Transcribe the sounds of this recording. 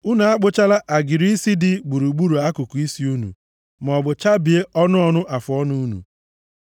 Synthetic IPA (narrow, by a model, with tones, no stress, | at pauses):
ʊ˦na˨a˦k͡pʊ˦t͡ʃa˦la˦ʔa˨ɡɪ˨ɾi˦si˦dɪ˨ɡ͡bu˨ɾu˨ɡ͡bu˦ɾu˨a˦kʊ˨kʊ˨i˦si˦u˦nṵ˨ | m˨ɔ˨bʊ˨t͡ʃa˦bi˨e˦ɔ˦nʊ˦ɔ˦nʊ˦ʔa˨fʊ˨ɔ˦nu˦nṵ˨